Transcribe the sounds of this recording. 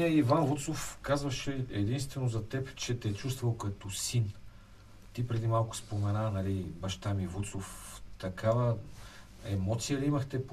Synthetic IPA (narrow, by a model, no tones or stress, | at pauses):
əivanvut̪sofkazvɐʃɛɛd̪inst̪vɛnozɐt̪ɛpt͡ʃɛt̪ɛt͡ʃust̪vɐlˠkɐt̪ɔsin | t̪ipɾɛd̪imalˠkʊ̥spomɛnanɐlibɐʃt̪amivut̪soft̪ɐkavə | ɛmɔt̪sijəliimɐxt̪ɛp